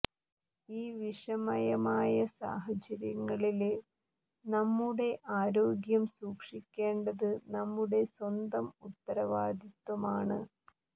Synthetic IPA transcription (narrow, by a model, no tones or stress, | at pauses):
iːʋiʂɐmɐjɐmaːjɐsa̰ːɦɐt͡ɕɐɾjɐŋːɐɭil | nɐmːuɽe̞ʔaːɾo̞ːɡjɐmsuːkʂikʲːe̞ːɳɖɐðɨnɐmːuɽe̞swɐnd̪ɐmut̪ːɐɾɐʋaːd̪ʱit̪ːwɐmaːɳɨ